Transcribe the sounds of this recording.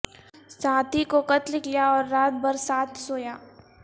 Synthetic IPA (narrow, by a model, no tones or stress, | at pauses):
saːt̪ʰikokɐt̪lɪklijaɔːɾːaːt̪̚bɐɾsaːt̪ʰsoːjaː